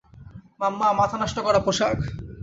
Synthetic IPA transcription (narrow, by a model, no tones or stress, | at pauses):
mamːamat̪ʰanaʃʈokɔɾapoʃak